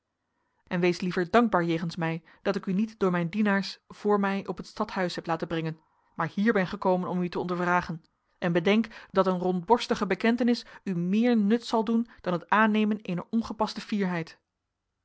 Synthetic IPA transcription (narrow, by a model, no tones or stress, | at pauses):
ʔɛnʋejslivəɹdɑŋɡ̚baːɹjejχənsmɛj | d̥ɑtɪkynitdʊːɹmɛjndinaːɹsv̥ʊːɹmɛjʔɔpɦətstɑtɦœɥsɦɛplaːtəbrɛŋən | maːɹhiːɹbɛnχəkowmənɔmytəɔndəɹvraːχən | ʔɛnbədɛŋkdɑtənrɔnd̚bɔɹstəχəbəkɛntənɪsymɪːɹnɵtsɑlˠdund̥ɑnɦətaːnejmənejnə̰ɹɔnχəpɑstəfiːɹɦɛjt